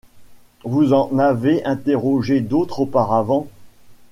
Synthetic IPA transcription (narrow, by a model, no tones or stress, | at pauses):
vuzɑ̃naveʔɛ̃t̪eʁɔʒed̪ot̪χopaʁavɑ̃